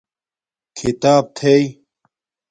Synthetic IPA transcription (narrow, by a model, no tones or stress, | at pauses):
kʰit̪aːb̚t̪ʰej